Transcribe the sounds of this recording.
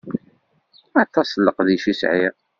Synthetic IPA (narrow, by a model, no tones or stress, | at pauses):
ɑt̪ːɑsləqðiʃisʕiʁ